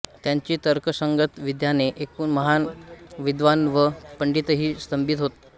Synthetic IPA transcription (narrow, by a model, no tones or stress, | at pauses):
t̪jaɲt͡ɕiːt̪əɾkəsəŋɡət̪ʋid̪janeʔekuːnməɦanʋid̪ʋanʋəpəɳɖit̪ɦiːst̪əmbit̪ɦot̪